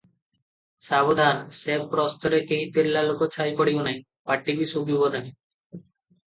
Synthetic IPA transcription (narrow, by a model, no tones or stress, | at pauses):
sabod̪ʱaɾsebpɾɔst̪ɔɾekeɦit̪iɾlalokot͡ʃʰajpɔɽibonaj̃ | paʈːibisubibonaĩ